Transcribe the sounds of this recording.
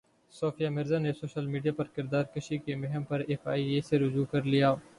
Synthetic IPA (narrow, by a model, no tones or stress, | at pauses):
soːfʰijaːmɪɾzanesoːʃəlmiːɖijaːpɐɾkɪɾd̪aːɾkɐʃikemɛɦəmpɐɾefaːieːseɾʊd͡ʒuːkɐɾlijaː